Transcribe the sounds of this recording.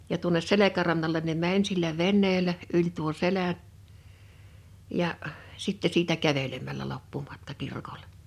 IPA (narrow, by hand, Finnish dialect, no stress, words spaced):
jɑ tuones selekærɑnːɑlen ne mænʲ silːæ ʋenːeːlæ ylʲ tuo selæʔ jɑ sitːe siːtæ kæʋelemælˑæ lopːumɑtkɑ kirkole̥